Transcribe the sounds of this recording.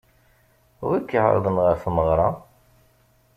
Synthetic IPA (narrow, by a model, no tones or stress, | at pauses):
ʊ̰ɾækːəʕ̰ɾ̰ˤðˤənʁəfməʁɾˤɑ